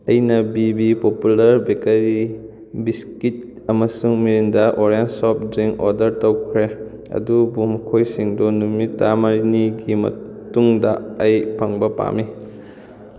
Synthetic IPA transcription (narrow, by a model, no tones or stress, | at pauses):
ɐjnɐbibipopulɐɾbekeɾi | biskit̚ | ɐmɐsuŋmiɾindɐʔoɾensɔp̚ziŋɔ̰ɾdɐɾtɐwkʰɾe | ɐ̰dubumɐkʰojsiŋdunumitːamɐɾiniɡimɐ̰ | tuŋdɐːjpʰɐŋbɐpa̰mi